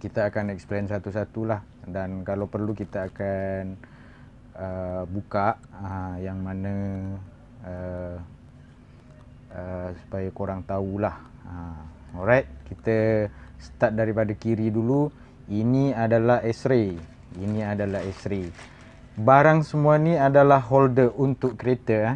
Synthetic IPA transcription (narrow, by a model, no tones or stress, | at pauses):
kit̪aakanɛksplensat̪usat̪ulah | dankalawpərlukit̪aːkan | əbukaʔəjaŋmanə̃ | ə | əsu̥pajakoɾaŋt̪aulah | ə | ɔɾajt̪̚kit̪əsə̥t̪at̪̚daɾipadakiɾidulu | iniadalaɦɛsɾe | iniadalaɦɛsɾe | baɾaŋsəmũaniadalaɦɦɔldəʔunt̪ʊʔkːəɾet̪ə